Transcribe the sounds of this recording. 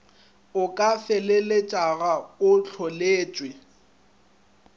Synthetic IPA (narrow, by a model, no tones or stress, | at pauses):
ʊkʼafɛlelɪt͡ʃʼaɣaʊt͡ɬʰɔleːt͡ʃʼwɪ